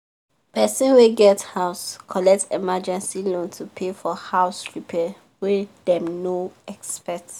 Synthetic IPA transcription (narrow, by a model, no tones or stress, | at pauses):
pɛsĩnweɡɛthaʊskʰɔlɛk̚temad͡ʒɛ̃nsilõntʰupʰefɔhaʊsɹipʰɛ | wɛdɛ̃mnoɛkspɛt